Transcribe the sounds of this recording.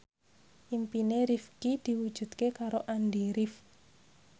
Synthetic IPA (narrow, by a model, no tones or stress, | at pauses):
ʔimpineɾifkid̪̥i̤wud̥ʒ̥ṳd̪̥̚kekaɾoʔanɖiɾif